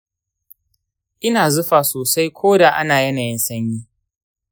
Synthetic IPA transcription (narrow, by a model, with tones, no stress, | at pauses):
ʔɪ˦naː˨zʊ˦ɸaː˨soː˨sa˦jkʷʰoː˦da˨ʔa˦naː˨jɐ˦naː˨jɪ˦nsɐ˦ɲjiː˦